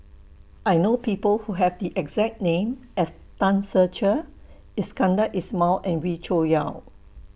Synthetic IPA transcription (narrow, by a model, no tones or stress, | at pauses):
ʔajnopipəlhuɦɛvdiʔɛɡzɛk̚nẽmɛs | tãnsət͡ʃə | ɪskãndəʔismɔlɛ̃nwit͡ʃojaʊ